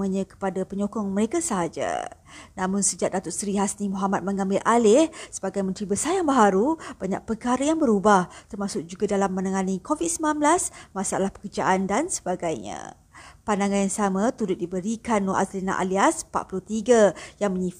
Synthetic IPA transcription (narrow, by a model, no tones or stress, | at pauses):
əɲə̃kə̥padapəɲokɔŋməɾekasəɦad͡ʒa̰namʊnsəd͡ʒaʔ̚dat̪ʊʔ̚sɾiɦasnimuɦamat̪̚məŋãmbɪlʔalɪhsəbaɡajmə̃nt̪ɾibəsajaŋbaɦaɾub̥aɲa̰k̚pəkaɾəjaŋbəɾubaht̪ərmasʊk̚d͡ʒuɡadalamːənaŋanikovit̪̚səmblamblasmasaa̰lahpə̥kərd͡ʒa̰ʔandansə̥baɡajɲã̰ | pandaŋanjaŋsamãt̪uɾʊt̪̚dibəɾikanːoʔa̰slina̰ʔa̰liaspa̰ʔ̪̚pulʊht̪iɡajaŋməɲi